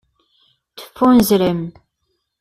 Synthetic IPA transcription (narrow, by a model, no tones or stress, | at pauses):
tə̥funzɾəm